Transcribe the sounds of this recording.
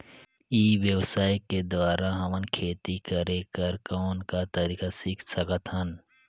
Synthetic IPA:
iːʋjəwsaːjked̪waːɾaɦɐmənkʰeːt̪ikəɾẽkəɾkɔːnkat̪ɐɾiːkasiːkʰsɐkət̪ɦən

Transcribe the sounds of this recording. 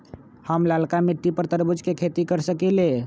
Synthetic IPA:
həmlalkamiʈːipəɾt̪əɾbud͡ʒkekʰet̪ikəɾsəkɛle

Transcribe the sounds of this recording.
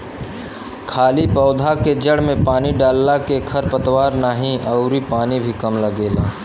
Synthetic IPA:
kʰaːlipɔʊd̪ʱaked͡ʒɐɽmẽpaːniɖaːlːakekʰɐɾpɐt̪waːɾnaːɦĩɐʊɾipaːnibʱikɐmlɐɡeːla̰ː

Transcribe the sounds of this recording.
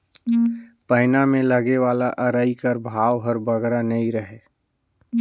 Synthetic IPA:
pəɦɪnamẽləɡeʋaːlaʔɐɾaːikəɾbʱaːwɦəɾbəɡɾanəĩɾəɦeː

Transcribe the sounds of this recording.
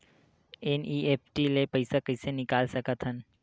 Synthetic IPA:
eːniːeːpʈilepɐɪsakɐɪsenɪkaːlsɐkət̪ɦən

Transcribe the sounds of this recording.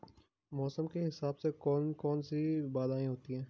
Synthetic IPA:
mɔːsəmkeɦɪsaːbsekɔːnkɔːnsibaːd̪aːẽɦoːt̪iɦɛ̃ː

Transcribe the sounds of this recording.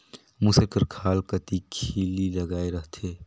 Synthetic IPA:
musəɾkəɾkʰaːlkət̪ikʰiːliləɡaːeɾəɦt̪ʰeː

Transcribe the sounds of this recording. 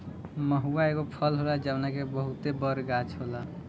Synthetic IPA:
məɦuaeɡopʰəlɦolad͡ʒəbnakebəɦut̪ebəɾɡat͡ʃʰɦola

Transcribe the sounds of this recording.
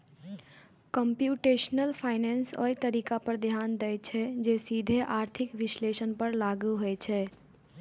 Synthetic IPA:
kə̃mpjuːʈeːʃnəlpʰaːɪneːnso̰jt̪əɾiːkapəɾd̪ʱjaːnd̪əjt͡ʃʰɛd͡ʒeːsiːd̪ʱeʔaːɾt̪ʰɪkʋɪsleːʃənpəɾlaːɡuɦojt͡ʃʰɛː

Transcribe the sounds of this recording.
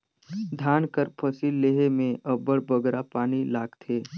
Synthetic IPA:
d̪ʱaːnkəɾpʰəsilːeɦemẽʔəbəɽbəɡɾapaːnilaːɡt̪ʰeː

